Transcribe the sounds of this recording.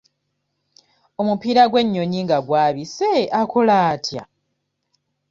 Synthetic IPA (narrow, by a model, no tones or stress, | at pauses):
o̞mupiːɾaɡwe̞ɲːo̞ɲiŋɡaɡwaːβiseakolaːtʰja̰